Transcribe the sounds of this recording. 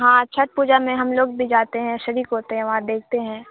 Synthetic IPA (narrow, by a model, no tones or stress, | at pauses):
ɦãːt͡ʃʰɐʈ̚puːd͡ʒamẽɦɐmloːɡbʱid͡ʒaːt̪eɦɛ̃ʃɐɾiːkɦoːt̪eɦɛ̃ʋɐɦãd̪eːk̚ʰt̪eɦɛ̃ː